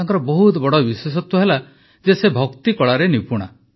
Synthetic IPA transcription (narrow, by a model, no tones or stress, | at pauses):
aŋkɔɾɔbɔɦut̪bɔɽɔbiswes̬ɔt̪ːɔɦela | d͡ʒesebʱɔkt̪ikɔɭaɾenipuɽ̃a̰